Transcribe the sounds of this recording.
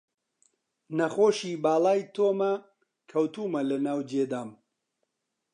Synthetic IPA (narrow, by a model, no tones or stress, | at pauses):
nɐxoːʃiːbaːlaːjt̪ʰoːmɐ | kʰɐwt̪uːmɐlɐnaːwd͡ʒeːd̪aːm